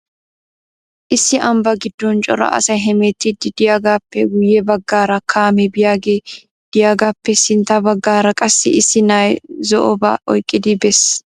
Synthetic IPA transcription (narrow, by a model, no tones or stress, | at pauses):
ʔɪsːɪʔɐmbɐɡɪd̪ːɔnt͡ʃʼɔ̰ɾɐ̰ʔɐ̰sɐjɦɛmet̪ːɪd̪ɪd̪ɪjaːɡaːpːɛɡʊjːɛbɐɡːaːɾɐkʰaːmɛbɪjaːɡe | d̪̥ɪjaːɡaːpːɛsɪnt̪ɐbɐɡːaːɾɐkʼɐsːɪ̰ɪsːɪnaːjzɔʔɔba̰ʔɔjkʼːɪd̪ɪbɛs